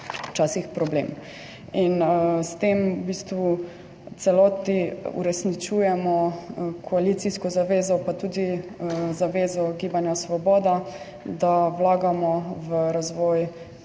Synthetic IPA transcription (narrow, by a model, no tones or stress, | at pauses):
t͡ʃaːsixpɾɔblḛm | inst̪emubiːst̪ʋu | t̪sɛlɔːt̪niṵɾɛsnit͡ʃuːjɛmɔkʰɔaliːt̪siskɔzaʋeːzɔpat̪uːd̪izaʋeːzɔɡiːbanjasʋɔbɔːd̪a | d̪awlaːɡamɔʋəɾazʋɔːj